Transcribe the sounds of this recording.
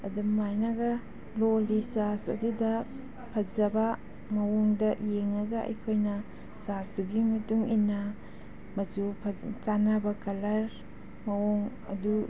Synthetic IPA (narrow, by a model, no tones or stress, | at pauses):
ɐ̰dumːajnɐɡɐ | lolisasɐ̰dudɐ | pʰɐzɐbɐ | mɐwoŋdɐjeŋnɐɡɐɐ̰jkʰojnɐ | sasduɡimɐtuŋinːɐ | mɐzupʰɐt͡ʃanɐbɐkɐlɐɾ | mɐwoŋ | ɐ̰du